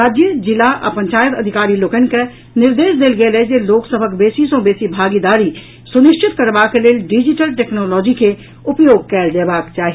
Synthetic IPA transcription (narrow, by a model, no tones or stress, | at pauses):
aːd͡ʒjəd͡ʒɪlaʔɐ̰pə̃ɲt͡ʃaːjət̪ɐd̪ʱɪkaːɾiloːkənke | nɪɾd̪eːʃd̪eːlɡeled͡ʒeloːksəbʱəkbeːsisõbeːsibʱaːɡid̪aːɾi | sʊnɪʃʈʰɪt̪kɐɾʋakeleːɖɪd͡ʒɪʈəlʈeːknɔːlɔːd͡ʒike | ʊpjoːɡ̚kɛːɾd̪eːbaːkt͡ʃaːɦi